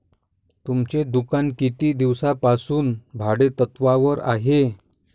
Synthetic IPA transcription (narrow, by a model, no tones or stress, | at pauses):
t̪umt͡ɕed̪ukankit̪iːd̪iʋsapasuːnbʱaɽet̪ət̪ʋaʋəɾa̰ɦe